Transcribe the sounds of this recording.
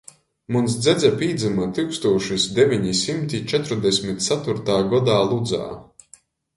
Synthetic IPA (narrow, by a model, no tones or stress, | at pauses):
munsd̪zʲɛd̪zapʲiːd̪zɨmat̪ɨwkst̪uɔʃisd̪evʲiɲisʲimt̪ʲit͡ʃɛt̪ɾud̪ɛsʲmʲit̪̚ʲt̪sat̪uɾt̪aːɡɔd̪aːlˠud̪za̰ː